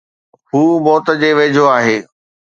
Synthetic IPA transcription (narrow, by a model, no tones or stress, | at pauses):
ɦuːmɔːt̪əd͡ʑeːʋeːd͡ʑʱoaːɦeː